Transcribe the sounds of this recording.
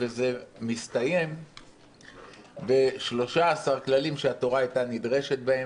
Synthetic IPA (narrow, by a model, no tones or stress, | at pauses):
veze̞mist̪aje̞m | be̞ʃlo̞ʃaːsaʁklalimʃeat̪o̞ʁaajtanid̪ʁe̞ʃe̞t̪̚bae